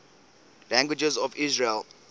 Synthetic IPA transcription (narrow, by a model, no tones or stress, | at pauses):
læ̃ŋɡwid͡ʒɛzɔvizɹel